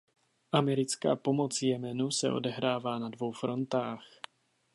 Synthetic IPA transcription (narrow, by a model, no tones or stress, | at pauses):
ʔamɛɾit͡ska̰ːpɔmɔt͡sjɛmɛnusɛ̰ɔ̰d̪ɛɦɾaːvanad̪ʋɔwfɾɔnt̪aːx